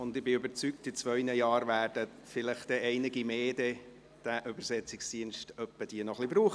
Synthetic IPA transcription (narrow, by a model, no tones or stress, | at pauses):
ʊndɪbɪʏbəɾt͡syk̚tɪt͡svœʏnəjɑːɾʋæːɾd̥ə | fɪləχtdɛʔɛɪnɪɡimeːdɛ | d̥æʔʏbəɾsɛt͡sɪksd̥iənʃtœpːəd̥iənɔχlibɾuːχ